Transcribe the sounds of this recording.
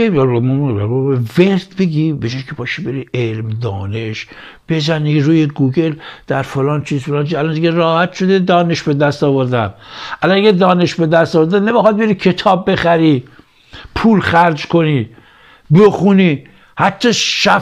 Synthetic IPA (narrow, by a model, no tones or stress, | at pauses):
emeveɾd̪be̞ɡibed͡ʒɒːjkʰebɒːʃibe̞ɾielmd̪ɒːneʃ | b̥e̞zæniɾuːjeɡuːɡeld̪̥æɾfolɒːnt͡ʃʰiːzfolɑːnt͡ʃʰiːzælnd̪iɡʲerɒːhæt̪ʃod̪ed̪ɒːne̞ʃbed̪æst̪ɒːvoɾd̪ænʔælɔnæɡʲæd̪ɒːne̞ʃbe̞d̪æst̪ɒːvoɾd̪ænemexɒd̪̚beɾikʰe̞t̪ʰɒːbːe̞xæɾi | pʰuːlχæɾd͡ʒkʰo̞niː | be̞xuniː | hæt̪ʰːɒːʃæ